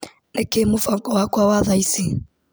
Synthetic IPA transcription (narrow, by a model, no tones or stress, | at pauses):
nɛkemufaŋkʼɔwakwawaðaisi